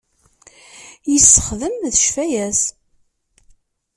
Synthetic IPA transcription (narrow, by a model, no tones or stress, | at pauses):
jəsːə̥χðəmðəʃfæjæs